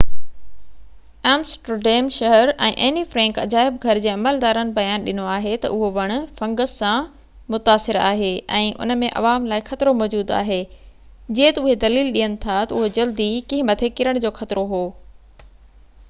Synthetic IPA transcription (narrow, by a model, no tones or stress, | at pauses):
ɛːmsʈəɖeːmʃɐɦəɾɛ̰̃ːʔeːnifɾɛ̃ːŋkɐd͡ʑaːɪbɡʱɐɾɪd͡ʑeːɐməld̪aːɾənɪ̆bɐjaːnɗɪnoaːɦet̪ɐ̰ʔʊɦoʋɐɽ̃ʊ̆fɐ̃ŋɡəssã | mʊt̪aːsɪɾa̰ːɦeːɛ̃ːʔʊ̰nə̆mẽʔɐ̰ʋaːmlaːɪxɐt̪ɪɾomɔːd͡ʑuːd̪a̰ːɦeː | d͡ʑiːet̪ɐʊɦed̪ɐliːlɗiːənɪ̆t̪ʰat̪ɐʊɦod͡ʑɐld̪ikĩɦɪ̃mɐt̪ʰeːkɪɾəɽ̃d͡ʑoːxɐt̪ɪɾoɦoː